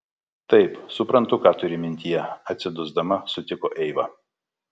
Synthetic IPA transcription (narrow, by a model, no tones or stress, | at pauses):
t̪ɐɪpsʊpɾɐnt̪ʊkɑːt̪ʊɾʲɪmʲɪnʲt̪ʲijɛɐt̪ʲsʲɪd̪ʊzd̪ɐmɐsʊt̪ʲɪkoːʔɛɪʋɑ̰ː